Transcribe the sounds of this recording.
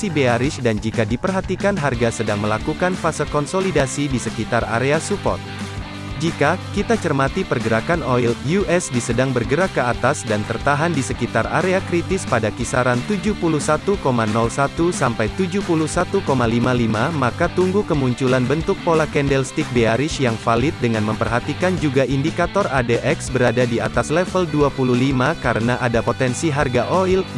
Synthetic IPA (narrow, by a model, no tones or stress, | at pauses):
ibeaɾɪsdand͡ʒikadipərɦat̪ikanɦarɡasədaŋməlakukanfasəkɔnsolidasidisəkit̪ara̰ɾeasupɔ̰rt̪̚ | d͡ʒikakit̪at͡ʃərmat̪ipərɡəɾakanɔiljuʔɛsdisədaŋbərɡəɾakːəat̪asdant̪ərt̪aɦandisəkit̪ara̰ɾeakɾit̪ɪspadakisaɾant̪ud͡ʒuhpuluhsat̪ukomanɔlsat̪usampajt̪ud͡ʒupulusat̪ukomalimalimamakat̪uŋɡukəmuɲt͡ʃulanbənt̪ʊk̚polakɛndɛlst̪ik̚beaɾɪʃjaŋfalɪt̪̚dəŋanməmpərɦat̪ikand͡ʒuɡaʔindikat̪ɔradeʔɛksbəɾadadia̰t̪aslɛfəlduapululimakaɾənaʔadapot̪ɛnsiɦarɡaʔoil